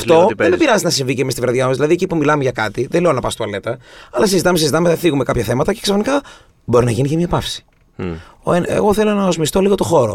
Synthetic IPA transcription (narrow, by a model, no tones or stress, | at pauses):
ɐft̪o̞enebiɾɐzet̪enɐsiɱvicemist̪ivɾɐðʝɐmɐzðilɐðiecipumilɐmeʝɐkɐt̪iðele̞o̞nɐpɐst̪oɐle̞t̪ɐɐlɐsizit̪ɐmesizit̪ɐmeθiɣume̞kɐpçɐθe̞mɐt̪ɐce̞ksɐfnikɐ | bo̞ɾinɐʝinicemiɐpɐfsi̥ | oenḛɣo̞θe̞lo̞nɐozmist̪o̞liɣo̞t̪o̞xo̞ɾo